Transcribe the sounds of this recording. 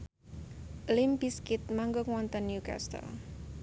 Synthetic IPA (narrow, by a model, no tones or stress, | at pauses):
limbiskɪt̪̚maŋɡoŋwɔnt̪ənːjuka̰st̪ə̰